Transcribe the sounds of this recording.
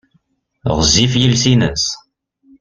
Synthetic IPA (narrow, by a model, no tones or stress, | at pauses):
ʁəzifjilsinə̰s